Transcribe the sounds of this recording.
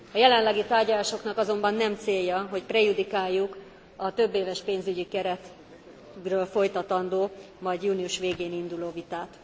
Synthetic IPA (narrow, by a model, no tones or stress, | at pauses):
ɒjɛlɛnlɛɡit̪aːrɟɒlaːʃo̞knɒkɒzo̞mbɒnːɛmt̪seːjːɒɦo̞cprɛjud̪ikaːjːuk | ɒt̪ø̞bːeːvɛʃpeːnzyɟikɛɾɛt̪ | røːlfo̞jt̪ɒt̪ɒnd̪oː | mɒjɟjuːniuʃʋeːɡeːnind̪uloːvit̪aːt̪